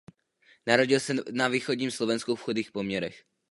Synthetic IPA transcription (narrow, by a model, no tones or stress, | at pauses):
naɾoɟɪlsɛnaviːxoɟɲiːmslovɛnskufxodiːxpomɲɛɾɛx